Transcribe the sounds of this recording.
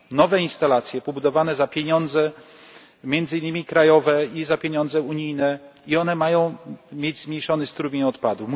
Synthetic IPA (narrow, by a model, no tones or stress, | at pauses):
nɔvɛinst̪alat̪sʲjɛpɔbud̪ɔvanɛzapʲjeɲɔnd̪zɛ | mʲjɛnd̪zɘinːɘmʲikɾajɔvɛizapʲeɲɔnd̪zɛuɲijnɛiɔnɛmajɔ̃w̃mʲjed͡ʑzmɲejʂɔnɘst̪ɾubʲeɲɔt̪pad̪um